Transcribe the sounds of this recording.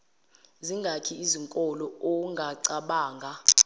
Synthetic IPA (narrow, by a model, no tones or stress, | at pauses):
ziŋɡʱakʰiiziŋkʼɔlɔoŋɡʱaǀaɓaːŋɡʱa